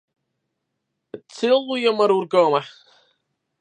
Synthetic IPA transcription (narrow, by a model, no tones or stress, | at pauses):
tʰɪlˠwiɔmaɾuːrɡɔːma